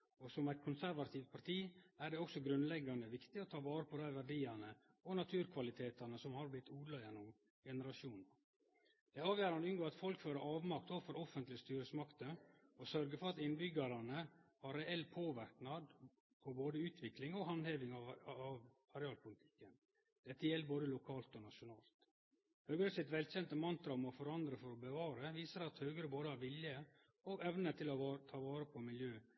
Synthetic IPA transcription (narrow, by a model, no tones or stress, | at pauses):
ɔsɔmæɪt̪̚kʰʊnsæɾʋɑt̪ʰiːʋt̪̚pʰɑɾt̪ʰiːæɖɛɔksɔɡɾʉnlɛɡɑnd̪əʋɪkt̪ɪɔt̪ʰɑːʋɑːɾəpʰɔd̪æɪʋæɾɖiːɑnə | ɔnɑt̪ʰʉːɾkʰʋɑlɪt̪ʰeːt̪ɑnəsɔmhɑɾblɪt̪ʰːuːd̪lɑjɛnːʊm | ɡɛnəɾɑʃuːn | d̪̥ɛɑːʋjæːɾɑnd̪əʉnɡoːɾɑt̪fɔlkføːɾəʔɑːʋmɑk̚t̪ɔfɔɾɔfənt̪lɪst̪yːɾəsmɑkt̪əɔsœɾɡəfɔɾɑt̪ɪnbʏɡɑɾɑnəhɑɾɛɛlːpʰoːʋæɾknɑd̪ | pʰɔboːd̪əʉːt̪ʰʋɪklɪŋɔɦɑnheːʋɪŋɑɑʋ | ɑɾɛɑːlpʰʊlɪt̪ʰɪ̥kːən | d̪̥ɛt̪ːəjɛlːəboːd̪əlʊkʰɑːlt̪ɔnɑʂʊnɑːlt̪ | hœːɡəɾəsɪt̪ʋɛlçɛnt̪əmɑnt̪ɾɑɔmɔfɔɾɑnd̪ɾəfɔɾɔbəʋɑːɾəʋiːsəɾɑt̪hœːɡəɾəboːd̪əhɑɾʋɪljə | ɔɛʋnət̪ʰɪlɔt̪ʰɑːʋɑːɾəpʰɔmɪljøː